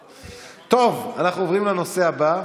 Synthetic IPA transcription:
t̪o̞vanaχnuovʁimleno̞se̞aba

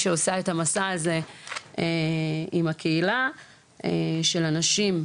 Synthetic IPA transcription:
ʃeosaetamasaaze̞eimakʰe̞ila | eʃe̞lanaʃim

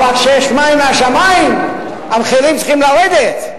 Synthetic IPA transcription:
valkʃejɛʃmaimːeaʃamaim | abχelimt͡siχimlaʁed̪et̪

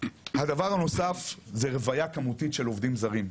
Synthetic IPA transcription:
had̪avaʁhano̞safzeʁevajakamutitʃe̞lo̞vdimzaʁim

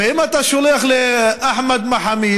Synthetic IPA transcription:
hɪmat̪aʃʊlixlɪʔaħmad̪maħamiː

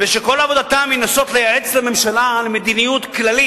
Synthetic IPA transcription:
veʃeko̞lavo̞d̪at̪aminaso̞t̪lejaet͡slame̞mʃalalemed̪inijut̪klali

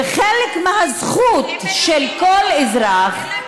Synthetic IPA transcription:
χelekmehazχut̪ʃelkolezʁɾaχ

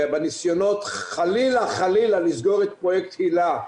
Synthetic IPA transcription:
benisjo̞no̞t̪χalilaχalilalizɡo̞ʁet̪pʁojekthila

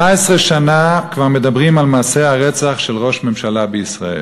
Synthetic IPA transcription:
aesʁeʃanakvaʁmedabʁimalmaːseaʁɛt͡saχʃelʁoʃmemʃalabeisʁa̰ḛ

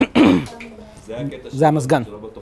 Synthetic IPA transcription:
zaməs̬ɡɐn

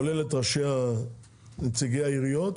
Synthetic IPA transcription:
olelet̪ʁaʃea | net͡siɡejaiʁijot̪

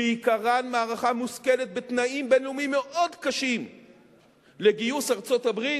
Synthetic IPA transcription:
eikaʁanmaːʁaχamuskelet̪̚bet̪naimbenlumimːe̞ʔodkaʃim | leɡijusaʁt͡so̞t̪abʁi

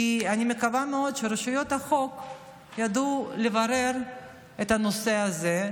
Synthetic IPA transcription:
ianimekavameo̞d̪ʃeɾeʃujo̞t̪aχo̞k | jad̪ulevaɾe̞ɾ | et̪anoseaze

